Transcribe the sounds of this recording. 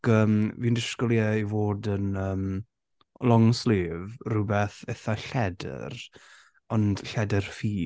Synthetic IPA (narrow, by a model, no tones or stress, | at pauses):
ɡəːmviːndɪʃkɔlˠjaivoːdənəːm | lˠɔŋsleːvrʊbɛθɛθaɬɛdə̰r | ɔnd̥ɬɛdərfiː